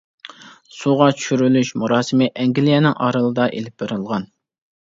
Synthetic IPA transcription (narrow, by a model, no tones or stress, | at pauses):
suʁɑt͡ʃʰy̥ʃyɾylyʃmuɾɑːsɪmɪʔɛŋɡʲilijɛnɪŋʔɑ̰ɾɨlˠɨd̪ɑʔelɪp̚beɾɨlˠʁɑn